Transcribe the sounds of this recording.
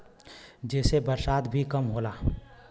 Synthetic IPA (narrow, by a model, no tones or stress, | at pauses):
d͡ʒɛːsebəɾsaːt̪bʱikəmɦoːlaː